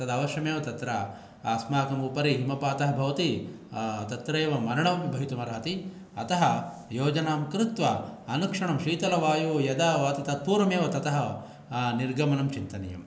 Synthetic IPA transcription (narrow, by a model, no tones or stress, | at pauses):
t̪ɐd̪aːʋɐʃjɐmeːʋɐt̪ɐt̪ɾɐ | smaːkɐmupɐɾiɦimɐpaːt̪ɐɦɐbʱɐʋɐt̪i | t̪ɐt̪ɾeːʋɐmɐɾɐɳɐʋɐmbʱɐɦit̪umɐɾaːt̪i | ɐt̪ɐɦɐ | joːd͡ʒɐnaːmkɾɪt̪ʋɐɐnukʂɐɳɐmʃiːt̪ɐlɐʋaːjujɐd̪ɐʋaːt̪it̪ɐt̪̚puːɾɐmeːʋɐt̪ɐt̪ɐɦɐ | niɾɡʱɐmɐnɐmt͡ʃint̪ɐnɐjɐ̰m